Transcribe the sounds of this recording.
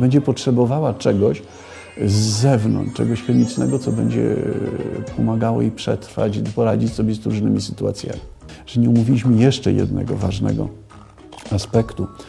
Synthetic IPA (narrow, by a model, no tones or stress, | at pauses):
bɛɲd͡ʑɛpɔtʂɛbɔvawat͡ʂɛɡɔɕ | zːɛvnɔ̰nt͡ʂɛ̰ɡɔɕxɛmʲit͡ʂnɛɡɔt̪sɔbɛɲd͡ʑɛ̰ | pʰɔmaɡawɔ̰ipʂɛt̪ɾfa̰t͡ɕpɔɾad͡ʑit͡ɕsɔbʲɛzɾuʐnɘmʲisɘ̥t̪ua̰t̪sʲja̰mʲiʐ̥ɛɲɛumuvʲilʲiɕmɘjɛʂt͡ʂɛjɛ̰d̪nɛɡɔvaʐnɛ̰ɡɔ̰ | aspɛkt̪u